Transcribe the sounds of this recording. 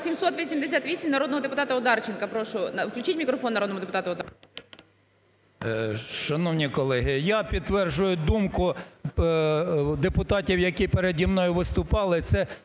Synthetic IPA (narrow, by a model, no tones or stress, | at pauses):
sʲimsɔt̪ʋʲisʲimd̪esʲat̪ʋʲisʲimnɐɾod̪nɔɦɔd̪epʊt̪ɑt̪ɐʊd̪ɑrt͡ʃɪnkɐpɾɔʃʊnɐwklʲʊt͡ʃitʲmʲikɾɔfɔnːɐɾɔd̪nmʊɔd̪epʊt̪ɑt̪ɐʊd̪ | ʃɐnɔwnʲikɔlˠɛɦɪjɑpʲid̪ʋɛrʒʊjʊd̪umkʊ | d̪epʊt̪ɑtʲiwjɐkʲipeɾed̪ʲimnɔjʊʋɪst̪ʊpɑlˠɪt̪sɛ